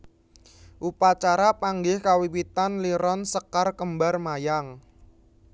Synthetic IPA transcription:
ʔupat͡ʃaɾapaŋɡɪhkawiwit̪anliɾɔnsəkarkəmbarmajaŋ

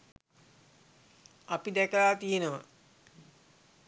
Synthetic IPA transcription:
apid̪ɛkəlaːt̪ijenəʋə

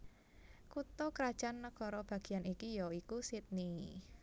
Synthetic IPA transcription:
kut̪ɔkəɾad̥ʒ̥anːəkɔɾɔb̥a̤ɡ̥i̤anikijɔikusit̪̚ni

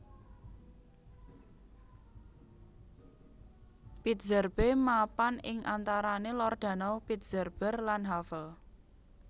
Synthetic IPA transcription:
pit̪̚z̥ərb̥emapanɪŋʔa̰nt̪aɾanelɔrd̪̥a̤nɔpit̪̚z̥ərb̥ərlanɦafəl

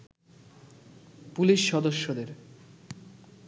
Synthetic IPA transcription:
puliʃːɔd̪oʃːod̪eɾ

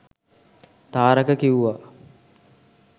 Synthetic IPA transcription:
t̪aːɾəkəkiuʋa

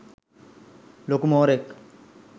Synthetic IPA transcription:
lokumoːɾek

